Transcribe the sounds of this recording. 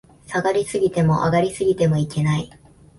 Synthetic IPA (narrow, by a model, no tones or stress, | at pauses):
saɡaɾʲisɨɡʲit̪e̞mo̞̰ʔa̰ɡaɾʲisɨɡʲit̪e̞mo̞ike̞nai